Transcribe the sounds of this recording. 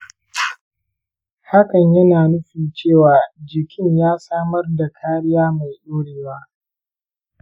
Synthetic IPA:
ha˦kɐ˨ɲjɐ˦naː˨nʊ˦ɸiː˨t͡ʃeː˦˨waː˨d͡ʒɪ˨kʲʰɪ˦ɲjaː˦saː˦mɐ˦rda˨kʰaː˦ɽɪ˦jaː˦ma˨jɗoː˦ɽeː˨waː˦

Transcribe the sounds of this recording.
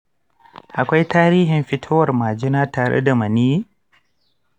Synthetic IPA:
ʔa˨kʷa˦jtaː˦ɾiː˦ɦɪ˨mɸɪ˦tʰoː˦wɐ˨rmaː˨d͡ʒɪ˦naː˦taː˨ɽḛ˦da˨mɐ˨ni˦

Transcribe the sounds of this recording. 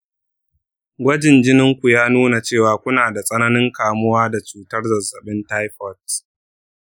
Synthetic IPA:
ɡʷɐ˦d͡ʒɪ˨nd͡ʒɪ˦nɪ˦ŋkʷu˨jaː˦nuː˦na˨t͡ʃeː˦˨waː˨kʷʊ˦naː˨da˨sʼɐ˦nɐ˦nɪ˦ŋkaː˨mʊ˦waː˦da˨t͡ʃuː˨tɐ˦rzɐ˨zɐ˨ɓɪ˦ntaː˦jɸɔ˦˨t

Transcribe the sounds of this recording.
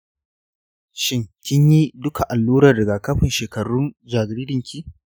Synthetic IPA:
ʃɪ˦ŋkʲɪ˦ɲji˦dʊ˦kʰa˨ʔa˨lːuː˦ɾaː˨dɐ˨ɡa˨kɐ˦ɸɪ˨nʃeː˨kɐ˨ɽʊ˦nd͡ʒaː˨ɡɽiː˦dɪ˨ŋkʲiː˦

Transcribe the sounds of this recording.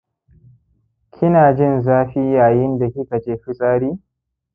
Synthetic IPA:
kʰʲɪ˦naː˨d͡ʒɪ˦˨nzaː˦ɸi˦jaː˨jɪ˦nda˨kʲɪ˦ka˨t͡ʃeː˦ɸɪ˦sʼaː˦ɽiː˦

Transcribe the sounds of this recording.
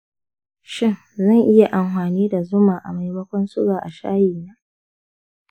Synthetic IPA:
ʃɪ˦n | zɐ˦˨ŋʔɪ˦ja˨ʔa˨mhaː˨niː˦da˨zʊ˦maː˨ʔa̰˨ma˨jbɐ˦kʷɔ˦nsʊ˦ɡaː˨ʔa˨ʃa̰ː˦jiː˨naː˦

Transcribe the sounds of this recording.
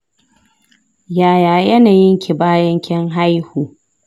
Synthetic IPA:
jaː˨jaː˨jɐ˦naː˨jɪ˦ŋkʲʰi˨baː˦jɐ˦ŋkʲʰɛ˦ŋɦa˦jhuː˨

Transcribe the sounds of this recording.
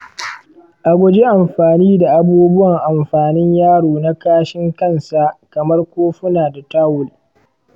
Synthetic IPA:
ʔa˨ɡʷʊ˦d͡ʒe˦ʔa˨mɸaː˨niː˦da˨ʔa˨buː˦bʊ˦wɐ˨ŋʔa˨mɸaː˨nɪ˦ɲjaː˦ɽoː˨na˦kaː˦ʃɪ˦ŋkɐ˦˨nsa˨ʔkɐ˨mɐ˦rkʷoː˦ɸʊ˦naː˨da˨taː˦wʊ˨l

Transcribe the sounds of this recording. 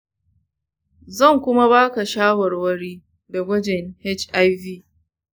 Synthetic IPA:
zɐ˦˨ŋkʷʊ˦ma˦βaː˦ka˨ʃaː˦wɐ˨rwɐ˦ɽiː˦ | dɐ˨ɡʷɐ˦d͡ʒɛ˨ŋhɛ˦t͡ʃʔa˦jviː˦

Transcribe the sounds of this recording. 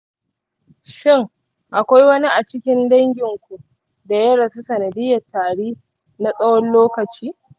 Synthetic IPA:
ʃɪ˦ŋ | ʔa˨kʷa˦jwɐ˦ni˦ʔa˨t͡ʃɪ˦kʲɪ˦ndɐ˦ŋɡʲɪ˨ŋkʷu˨ʔ | da˨jɐ˦ɽɐ˨su˦sɐ˨nɐ˨dɪ˦jːɐ˨tʰːaː˨ɽiː˦ | na˨sʼɐ˦wɔ˦nloː˦kɐ˨t͡ʃiː˦

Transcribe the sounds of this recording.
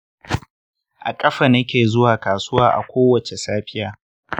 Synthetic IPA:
ʔa̰˨kʼɐ˦ɸa˨nɐ˦kʲeː˨zʊ˦waː˨kaː˨sʊ˦waː˦ʔa̰˨kʷoː˦wɐ˨t͡ʃe˨saː˦ɸɪ˦jaː˦

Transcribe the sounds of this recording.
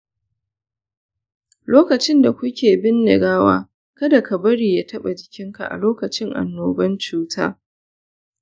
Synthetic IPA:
loː˦kɐ˨t͡ʃɪ˦nda˨kʷʊ˦kʲeː˨bɪ˦ndɪ̰˨ɡaː˦wa̰ː˦ | kɐ˦da˨kɐ˨bɐ˦ɽiː˨jaː˦tɐ˦ɓa˨d͡ʒɪ˨kʲɪ˦ŋka̰˨ʔa̰˨loː˦kɐ˨t͡ʃɪ˦ŋʔa̰˨nːoː˨bɐ˦nt͡ʃuː˦tʰa̰ː˦

